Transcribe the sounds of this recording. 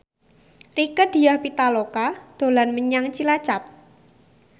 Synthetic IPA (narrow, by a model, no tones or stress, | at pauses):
rikəd̪̥i̤jahpit̪alokad̪̥o̤lanməɲaŋt͡ʃilat͡ʃap̚